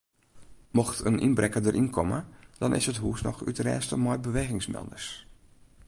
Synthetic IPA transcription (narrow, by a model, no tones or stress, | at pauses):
moxtənʔinbrɾɛkədəɾʔinkʰɔmə̰d̥ɔnʔɪ̰shətɦuːəsnɔ̰xy̰trɛ̰ːstəmɔjbəʋeːɣɪŋsmɛ̰lˠdəɹs